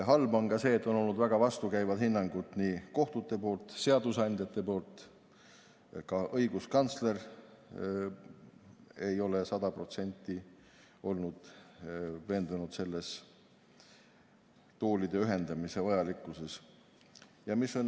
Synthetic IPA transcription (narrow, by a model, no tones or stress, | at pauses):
ɦɑlbɑnɡɑse̞ːt̪ːˑo̞nolːud̪væɡ̥ɑvɑst̪ukæjvɑd̪hinːɑŋɡut̪niːko̞ht̪ut̪ːˑe̞po̞ːlt̪ˑse̞ɑd̪̥usɑnʲd̪̥ʲjɑt̪ːˑe̞po̞ːlt̪ːˑ | kɑʔɤ̞jɡ̥uskɑnt̪sle̞r | e̞jo̞le̞sɑd̪̥ɑpro̞t̪se̞nʲt̪ˑːi | o̞lnud̪̥ | ve̞ːnd̪̥unud̪se̞lːe̞s | t̪oːlid̪̥e̞yɦe̞nd̪̥ɑmise̞vɑjɑlikːˑuse̞s | jɑmisːon